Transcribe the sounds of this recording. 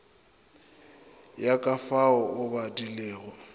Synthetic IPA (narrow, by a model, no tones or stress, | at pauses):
jakʼafaɔʔʊbadileːɣɔ